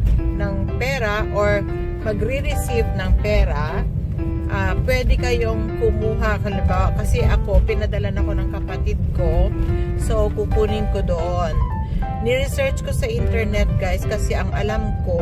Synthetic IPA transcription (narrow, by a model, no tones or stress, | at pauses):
nɐŋpɛːɾɐʔoɹ | mɐɡɾiɾɪsivnɐŋpɛːɾɐ | ʔaːpwɛːd̪ɛkɐjo̞ŋkʊmuːɦɐʔkɐlɪmbaːwɐʔkɐsɛʔɐko̞pɪnɐd̪ɐlanɐko̞nɐŋkɐpɐt̪ɪd̪̚ko̞sokupuːnɪŋko̞d̪oʔonː | ɪɾɪsɛɹt͡ʃko̞sɐʔɪnt̪ɛɹnɛt̪̚ɡajskɐsɛʔɐŋʔɐlamko̞